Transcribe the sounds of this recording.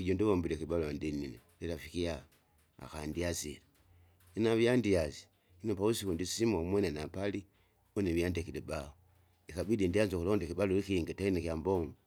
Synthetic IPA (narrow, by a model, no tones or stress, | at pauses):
iɟondiβombiɾekiβaloandinineliɾafikija | a̰xandiaziɾe | inaβjandiazi̥ | inopausikundisimamwenenapali | oneβjandekilebaho | ikaβidindiazokulondekibalolikiŋɡetainekjamboŋo